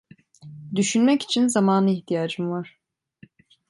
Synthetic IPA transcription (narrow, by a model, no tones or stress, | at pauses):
d̪yʃynmɛci̥t͡ʃʰinzamaːnɯiht̪ʰijaːd͡ʒɯmvaɾ̥